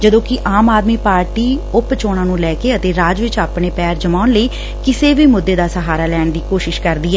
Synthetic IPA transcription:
d͡ʒəd̪õːkɪʔaːmaːd̪miːpaːɾʈiːʊpt͡ʃoːɽãːnũːlɛːkeːət̪eːɾaːd͡ʒʋɪt͡ʃaːpɳeːpɛːɾd͡ʒəmaːʊnləiː | kɪseːbiːmʊd̪ːeːd̪aːsəɦaːɾaːlɛːɳd̪iːkoːʃɪʃkəɾd̪iːɦɛː

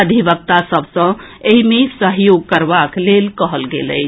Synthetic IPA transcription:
əd̪ʱibək̚t̪asəbsə̃ | eɦimesəɦjoɡ̚kəɾbaklelkəɦəlɡḛlə̰ɪt͡ʃʰ

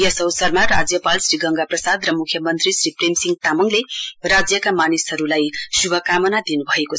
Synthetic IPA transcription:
jʌsʌwsʌrmarad͡zjʌpalsriɡʌŋɡaprʌsad̪rʌmukʰjʌmʌnt̪risripremsiŋɡ̚t̪amʌŋlerad͡zjʌkamanisʌɾulajsubʱʌkamʌnad̪inubʱʌeko

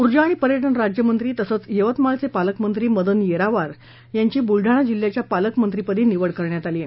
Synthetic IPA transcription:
uɾd͡ʑaːɽ̃ipəɾjəʈ̬əɳɾad͡ʑjəmənt̪ɾiːt̪əsət͡sjeʋət̪malt͡sepaləkmənt̪ɾiːməd̪ənjeɾaʋaɾ | jaɲt͡ɕiːbulɖʱaɽ̃ad͡ʑilːjat͡ɕjapaləkmənt̪ɾipəd̪iːniʋəɽkəɾɳjat̪aliːe

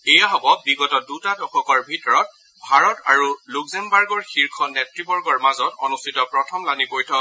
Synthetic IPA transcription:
ejaɦɔbɔbiɡɔtɔdutadɔkʰɔkɔɹbʱitɔɹɔt̚ | bʱaɹɔta̰ɹulukzɛnbaɹɡɔɹxiɹkʰɔnɛtɹibɔɹɡɔɹmazɔtɔnustʰitɔpɹɔtʰɔmlanipojtʰɔ

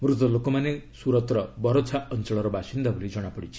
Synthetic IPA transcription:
mɾut̪ɔlokomanesuɾɔt̪ɾɔbɔɾot͡ʃʰaɔnt͡ʃɔɭɔɾɔbasind̪abulid͡ʒɔɽ̃apɔɽit͡ʃʰi̥

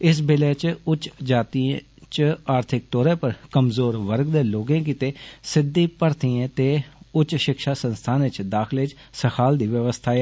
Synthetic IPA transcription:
ɪs̬bɪleːt͡ʃʊt͡ʃd͡ʒaːt̪iẽ | t͡ʃaːɾt̪ʰɪk̚t̪ɔːɾẽːpəɾkəmzoːɾʋəɾɡd̪eːloːɡẽːk̬iːt̪eːsɪd̪iːpəɾt̪iːãːt̪eːʊt͡ʃʃɪkʃaːsənst̪ʰaːnʋɪt͡ʃd̪aːkʰɪlɪt͡ʃ | səkʰaːld̪iːʋəʋəst̪ʰaːe

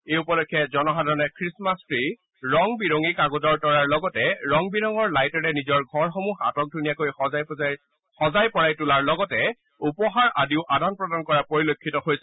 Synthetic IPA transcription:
eupɔlɔkʰːɛzɔnɔɦadʱaɹɔnɛkʰɹismastɹi | ɹɔŋbiɹoŋikaɡodɔɹtɔɹaɹlɔɡɔtɛɹɔŋbiɹɔŋɔɹlajtɔɹɛnizɔɹɡʱɔɹxomuxa̰tɔk̚dʱunijakojj | xɔzajpɔɹajtulaɹlɔɡɔtɛ | upɔɦaɹʔadiʊʔadanpɹɔdankɔɹapoɹilokʰːitɔɦojsɛ

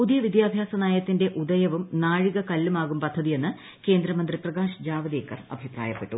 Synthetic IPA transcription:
pud̪ijɐʋid̪jaːbʱjaːsɐnaːjɐt̪ːinde̞ʔud̪ɐjɐʋumnaːɻiɣɐkɐlːumaːɣumpɐd̪ʱːɐðije̞nːɨ | ke̞ːnd̪ɾɐmɐnd̪riprɐɣaːʂd͡ʑaːʋɐd̪eːkːɐrɐ̰bʱipra̰ːjɐpːe̞ʈːu

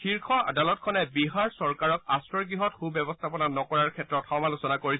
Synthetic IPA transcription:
xiɹkʰɔa̰dalɔt̚kʰɔnɛbiɦaɹsɔɹkaɹɔkastɹɔɹɡɹiɦɔtxubjɛbɔstʰapɔnanɔkɔɹaɹkʰɛtɹɔtxɔmalusɔnakoɹisɛ

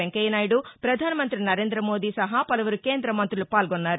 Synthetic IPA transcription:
eŋkɐjɐnaːjiɽupɾɐd̪ʱaːnɐmɐnt̪ɾinɐɾe̞ːnd̪ɾɐmo̞ːd̪iːsɐɦaːpɐlɐʋɐɾuke̞ːnd̪ɾɐmɐnt̪ɾulupaːlɡɔnːaːɾu

